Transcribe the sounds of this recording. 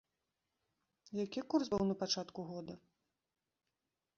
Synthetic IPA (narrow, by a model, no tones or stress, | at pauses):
jakʲikursbɨwnɐpat͡ʂat̪kuɣɔd̪ɐ